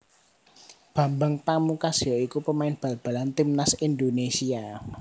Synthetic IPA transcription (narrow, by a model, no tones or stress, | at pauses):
b̥ä̤mbaŋp̪amukasɔikupəmaɪnb̥a̤lb̥a̤lant̪imnasind̪onesia